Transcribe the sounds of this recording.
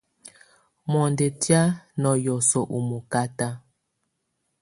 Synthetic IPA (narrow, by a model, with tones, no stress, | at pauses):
mɔ˨nde˨tja˦nɔ˨jɔ˨sɔ˨ʔu˨mu˨ka˦ta˦